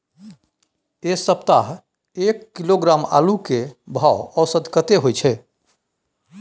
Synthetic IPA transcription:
esəp̚t̪aɦ | ekːiloɡɾama̰lukebʱawɔʊsəd̪ʱkət̪eɦojt͡ʃʰɛ

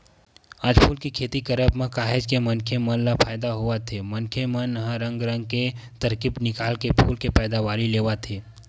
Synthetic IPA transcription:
aːd͡ʒpʰuːlkikʰeːt̪ikəɾəbmẽkaːɦed͡ʒkemɐnkʰemənlapʰaːjd̪aɦuat̪ʰemɐnkʰemənɦãɾə̃ŋɡɾə̃ŋɡ̚ket̪ɐɾkibnɪkaːlkepʰuːlkepɛːd̪aʋaːɾileːʋat̪ʰeː

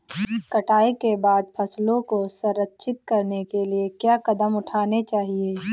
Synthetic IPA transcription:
kɐʈaːekebaːd̪pʰɐslõkosɐɾətːʃʰɪt̪̚kɐɾnekeliekjaːkɐd̪əmʊʈʰaːnet͡ʃaːɦieː

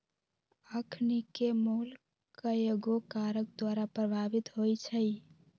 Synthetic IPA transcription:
əkʰnikemol | kəeɡokaɾək̚d̪waɾapɾəbʱabit̪ɦojt͡ʃʰəj

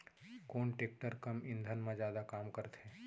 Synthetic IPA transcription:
koːnʈeːk̚ʈəɾkɐmɪ̃nd̪ʱənmãd͡ʒjaːd̪akaːmkəɾt̪ɦɛ̃ː

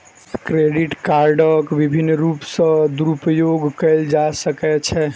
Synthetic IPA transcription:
kɾeɖiʈkaɾɖəkbibʱinːɾupsə̃d̪uɾupəjoɡkəɪld͡ʒasəkɛt͡ʃʰɛ

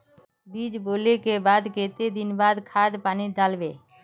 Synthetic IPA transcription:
biːd͡ʒboːlekebaːd̪keːt̪ed̪inbaːd̪kʰaːd̪paːnid̪aːlbeː

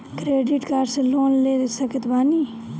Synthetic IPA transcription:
kɾeːɖɪʈkaːɾseloːnleːd̪sɐkət̪baːniː

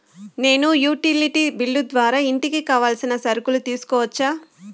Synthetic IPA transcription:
ne̞ːnujuːʈiliʈibiɭːud̪ʋaːɾaːiɳʈikikaːʋaːlsinɐsɐɾukulut̪iːsu̥kɔːʋɐt͡ʃːaː

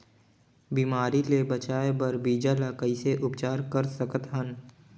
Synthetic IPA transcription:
biːmaːɾilebɐt͡ʃaːebɐɾbiːd͡ʒalakəiseʔʊpt͡ʃaːɾkəɾsəkət̪ɦən

